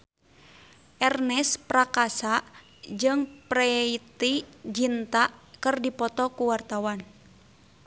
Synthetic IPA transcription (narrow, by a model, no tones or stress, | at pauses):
ʔɛrnɛspɾakasaʔ | d͡ʒɨŋpɾɛit̪id͡ʒint̪aʔkɨrdipɔt̪ɔkuwart̪awan